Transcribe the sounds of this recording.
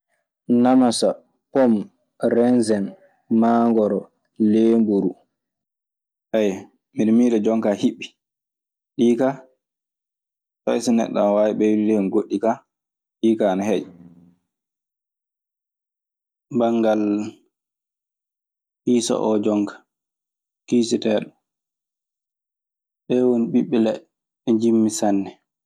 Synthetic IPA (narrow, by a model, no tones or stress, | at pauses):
namasa | pɔm | rɛnzɛn | maːŋɡɔɾɔ | leːmbuɾu | ʔɛj | miɾmiːɾɛd͡ʒɔŋkahiɓːi | ɗiːka | tajsinɛ̰ɗːa̰nwaːwiɓɛwiliɾɛnɡoɗːika | ɗiːkanahej | baŋɡal | hiːsa̰ʔɔd͡ʒɔŋkḁ | kiːsitɛːɗɔ | ɓɛwoniɓiɓːɛlɛ | ɛd͡ʒimːisanːɛ